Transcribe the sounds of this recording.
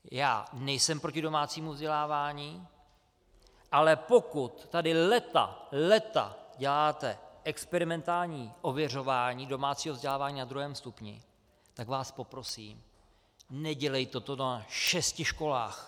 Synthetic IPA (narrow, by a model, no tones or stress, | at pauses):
ja̰ːnɛjsɛmpɾo̞cɪdo̞maːt͡siːmuvzɟɛlaːvaːɲiː | ʔalɛpo̞kut̪ːadɪlɛt̪a̰lɛt̪a̰ɟɛlaːt̪ɛʔɛkspɛɾɪmɛnt̪aːlɲiːʔo̞vjɛr̝o̞vaːɲiːdo̞maːt͡siːɦovzɟɛlaːvaːɲiːnad̪ɾuɦɛːmst̪upɲɪ̰ | t̪aɡvaːspo̞pɾo̞siːm | nɛɟɛlɛjt̪ɛt̪onaʃɛscɪʃko̞la̰ːx